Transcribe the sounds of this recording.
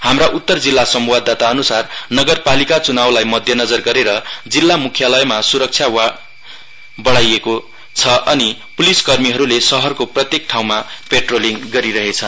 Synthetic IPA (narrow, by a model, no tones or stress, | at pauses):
hamraʔut̪ːʌrd͡zilːasʌmwad̪ʱat̪aʌnusarnʌɡʌrpalikat͡sunawlajmʌd̪ʱjʌnʌd͡zʌrɡʌɾeɾʌd͡zilːamukʰjalʌjmasuɾʌk̚t͡sʰja | bʌɽajeko | t͡sʰʌʔʌnipuliskʌrmiɦʌɾulesʌɦʌrkoprʌt̪jek̚ʈʰaw̃mapeʈroliŋɡʌɾiɾʌɦet͡sʰʌn